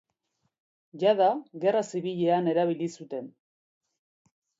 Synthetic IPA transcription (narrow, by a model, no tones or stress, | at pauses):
ʝaðaɣe̞rasiβiʎe̞ane̞ɾaβ̞ilisut̪e̞n